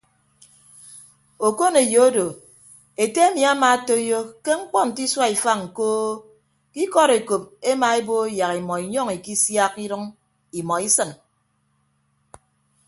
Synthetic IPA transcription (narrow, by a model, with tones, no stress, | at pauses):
o˨ko˦ne˨jo˨o˦do˨ | e˨te˦e˦mi˨a˦ma˨a˦to˦jo˦ke˦ŋ͡m̩˦k͡pɔ˦n̩˨ti˦swa˦i˨fa˦ŋ̩˨koː˦ | ki˦kɔ˦ɾe˨ko˨p̚e˦ma˨e˦bo˦ja˨ki˨mɔ˨i˨ɲɔ˦ŋi˨ki˦sja˦ki˦ɾɨ˦ŋ | i˨mɔ˨i˦sɨ˦n